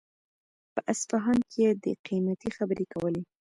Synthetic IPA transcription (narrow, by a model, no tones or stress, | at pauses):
pəʔasfaɦɑnkejed̪əqimat̪ixabəɾekawəle